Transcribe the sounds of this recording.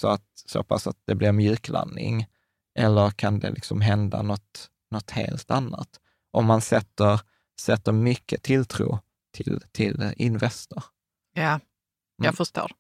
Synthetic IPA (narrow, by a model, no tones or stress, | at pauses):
sɔat̪̚so̰ːpʰasat̪̚d̪ɛblɪɾmjʉ̟ːkla̰nːɪ̰ŋ | ʔɛlːəɾkʰand̪ɛ̰lɪksɔmɦɛnd̪anɔt̪ | nɔt̪hḛːlt̪anːa̰t̪ | ʔɔmːansɛt̪ːəɾ | sɛt̪ːəɾmʏkːət̪ʰɪlt̪ʰɾuː | t̪ʰɪlt̪ʰɪlɪnvɛst̪əɾ | jaː | jafəʂto̰ːɾ